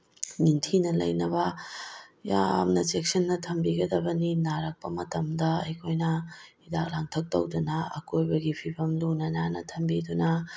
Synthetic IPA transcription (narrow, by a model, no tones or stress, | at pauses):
niŋtʰinɐlɐ̰jnɐbɐ | ja̰mnɐt͡ʃek̚sɐnːɐtʰɐmbiɡɐdɐbɐninaɾɐk̚pɐmɐtɐmdɐɐjkʰojnɐidak̚laŋtʰɐk̚tɐ̰wdunɐɐ̰kojbɐɡipʰibɐmlunɐnanɐ̰tʰɐmbidunɐ